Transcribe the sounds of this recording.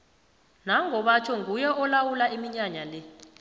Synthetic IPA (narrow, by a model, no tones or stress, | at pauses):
naŋɔɓat͡ʃʰɔŋɡʱujɛʔɔlawulaʔimiɲaɲalɛ